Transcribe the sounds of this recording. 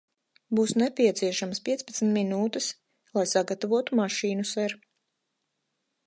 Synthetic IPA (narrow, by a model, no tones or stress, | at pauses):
buːsnɛpʲiɛt̪siɛʃaməspʲiɛspat̪sn̩t̪minuːt̪ɛs | lˠajsaɡat̪avuɔt̪umaʃiːnusɛɾ